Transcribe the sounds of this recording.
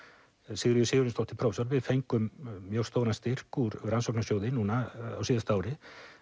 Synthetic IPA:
sɪɣɾʏjʏsɪːɣʏɾɪnst̪ɔwht̪ɪpʰɾɔwfsɔɾvɪðfejŋkʏmːjowst̪oːwnast̪ɪr̥kuɾɾansɔwknasjoːwðɪnuːnaa̰wsiːðast̪aaːwɾɪ

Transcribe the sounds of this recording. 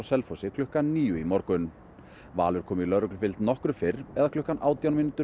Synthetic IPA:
wsɛlfowsɪkʰlʏhkanːiːjʏimɔɾkʏn | va̰ːlʏɾ̥kʰɔːmɪilœðɾœklʏɾfɪlt̪nɔhkɾʏfɪɾɛðakʰlʏhkanʔaːwt̪jawnminʏt̪ʏ

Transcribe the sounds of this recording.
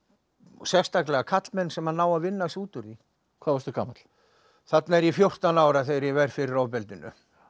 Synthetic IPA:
sjɛfst̪aklɛɣakʰat̪lmɛnːsɛmanaːwaðvɪnːasuːt̪ʏɾi | kʰvaːvast̪ʏka̰ːmat̪l̥ | θat̪naɛɾjɛfjowr̥t̪anaːwɾaθejɾjɛvɛjɾ̥fɪɾɪɾawpɛlt̪ɪnːʏ̰

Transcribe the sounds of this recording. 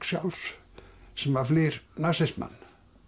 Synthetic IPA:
ksjɑls | simaflirnɑsesmɑ̰n

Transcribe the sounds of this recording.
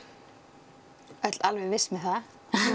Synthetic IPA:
œt̪lalvɛɣvɪsmɪθað

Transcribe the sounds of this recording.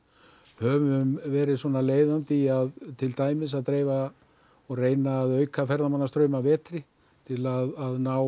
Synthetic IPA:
hœvʏmvɛːɾɪðswɔːnaleːjðant̪ɪaðt̪ʰɪlt̪aːjmɪs̬aðt̪ɾeːjva | ɔɣreːjnaːðœɥkʰafɛɾðamanːast̪ɾœːɥmavɛːt̪ɾɪ | t̪ʰɪlaðaðnaːw

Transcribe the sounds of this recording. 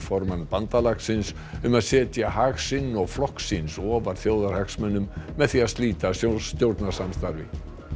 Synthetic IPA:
fɔɾmanpant̪alaksɪns | ʏmaðsɛːt̪jaɦaxsɪnːɔɣflɔhksinsɔːvaɾ̥θjoːwðaɾ̥haksmɛnːʏmːɛðθiaðst̪liːt̪asjost̪jowɾt̪nḁsamst̪aɾvɪ̰

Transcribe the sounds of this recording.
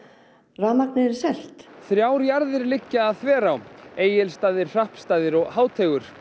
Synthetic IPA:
raːmaknɪɪɾsɛl̥t̪θɾjaːwɾjaɾðɪɾlɪcːaːðθvɛːɾaweːjɪlst̪aːðɪɾ̥r̥ahpst̪aːðɪɾɔɣhaːwt̪ʰɛːɣʏɾ̥

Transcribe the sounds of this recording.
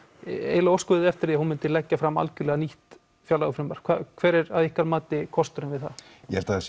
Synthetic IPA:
ḛːjlaɔwskʏðɪɛft̪ɪɾðiːhunmɪnt̪ɪlɛcːafɾamːa̰lcʏlɛːɣaniht̪ | fjawlaɣʏfɾɪmaɾ̥kʰvakʰvɛːɾɛɾavihkvaɾmaːt̪ɪkʰɔst̪ʏɾɪnvɪðθa̰ | jɛhɛlt̪aðs

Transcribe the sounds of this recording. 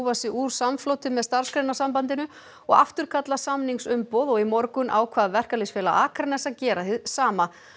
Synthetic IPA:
vasɪuɾ̥samflowt̪ɪmɛðst̪aɾ̥skɾejnasampant̪ɪnʏ | ɔɣa̰ft̪ʏɾ̥kʰat̪lasamniŋsʏmpowðɔɣimɔɾkʏnʔawkʰvaːðvɛr̥kalɪsfɛːla̰ʔaːkʰɾanɛsːacɛːɾahɪðsaːma

